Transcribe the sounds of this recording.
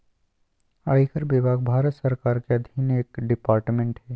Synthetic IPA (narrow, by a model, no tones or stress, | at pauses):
aɽiːkəɾbiːbʱaːɡ̚bʱaːɾət̪səɾkaːɾkeɐd̪ʱiːneːkɖɪpaːɾʈmẽɳʈɦɛː